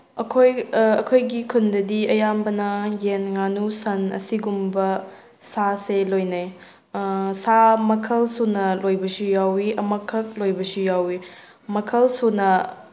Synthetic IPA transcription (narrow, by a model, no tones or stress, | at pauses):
ɐkʰojɐkʰojɡikʰundɐdiɐjambɐnɐjenŋanusɐnɐ̰siɡumbɐ | saselojnaj | samɐkʰɐlsunɐlojbɐsujawiɐmɐkʰːɐk̚lojbɐsujawi | mɐkʰɐlsunɐ